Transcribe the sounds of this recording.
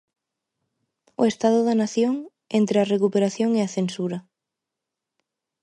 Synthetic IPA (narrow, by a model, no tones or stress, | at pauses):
ʊ̰est̪aðʊðɐnaθjoŋ | ent̪ɾɪɐrekupeɾaθjoŋeɐθensuɾɐ